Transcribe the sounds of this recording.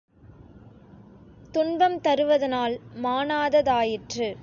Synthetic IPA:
t̪ʊɳbɐmt̪ɐɾɯʋɐðɐnaːlmaːnaːðɐðaːjɪʈrɯ

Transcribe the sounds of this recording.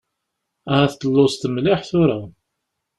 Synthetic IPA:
æhæθt̪ːəlːʊst̪əmlɪħθʊɾa

